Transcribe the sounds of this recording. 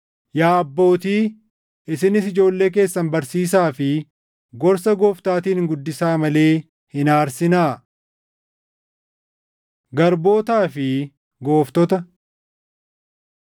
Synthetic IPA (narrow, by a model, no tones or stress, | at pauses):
jaːɐbːo̞ːt̪iː | ɪsɪnɪsɪd͡ʒo̞ːlːe̞ːk̬e̞ːsːɐnbɐɾsiːs̬aːfɪ | ɡɔɾsɐɡo̞ːft̪aːt̪iːnŋɡʊd̪ːɪsaːmɐle̞ː | hɪnaːɾsɪnaː | ɡɐɾbo̞ːt̪aːfɪ | ɡo̞ːft̪ɔt̪ɐ